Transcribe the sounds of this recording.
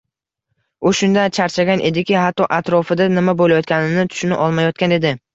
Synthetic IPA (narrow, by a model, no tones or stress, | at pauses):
ʊʃʊnd̪ant͡ʃʰaɾt͡ʃʰaɡʲanʔe̞d̪ɪkʲɪɦat̪ːɒʔat̪ɾɒfɪd̪anɪmabolajɒt̪̚kʲanɪnɪt̪ʰʊ̥ʃnɪʔɒlˠmajɒt̪̚kʲane̞d̪ɪ